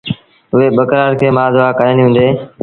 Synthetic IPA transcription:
ʊʋeːɓəkɾaːɾkʰeːmaːzʊʋaːkəjəniːɦũːnd̪eː

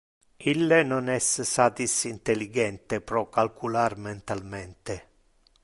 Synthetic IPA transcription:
ilːenonɛssat̪isint̪eliɡɛnt̪epɾɔkːalkularment̪almɛnt̪e

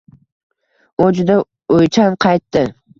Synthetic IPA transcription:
od͡ʒʊd̪a | ojt͡ʃʰanqʰɑjt̪ːɪ

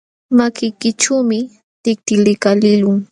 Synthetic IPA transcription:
makɪjkɪʈ͡ʂuːmɪ | t̪ɪk̚t̪ɪlɪkalɪlʊŋ

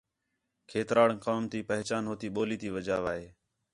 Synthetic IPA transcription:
kʰeːt̪ɾaːɽkaːmt̪iːpəɦt͡ʃaːnɦoːt̪iːɓoːliːt̪iːʋəd͡ʒaːʋaːɦeː

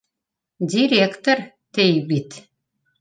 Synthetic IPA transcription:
dʲiɾʲekt̪oɾ | t̪ejbit̪

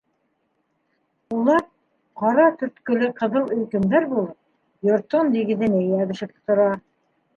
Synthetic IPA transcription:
ulˠɑɾ | qɑɾɑt̪ɵ̆ɾt̪kɵ̆lɘqɤ̆ðɤlˠɵ̆lkɘ̆md̪æɾbulˠɤp̚ | jŏɾt̪ond̪iɡɘ̆ðɘ̆nɘjæβɘ̆ʃɘ̆p̪̆̚t̪ŏɾɑ

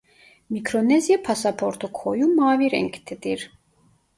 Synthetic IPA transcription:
mikʰɾɔnɛzjapʰasapʰɔɾt̪ʰukʰɔjumaːviɾɛ̰ŋkʰt̪ʰɛd̪iɾ

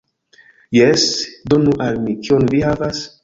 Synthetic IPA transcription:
jesdo̞nuʔalmikionvihavas

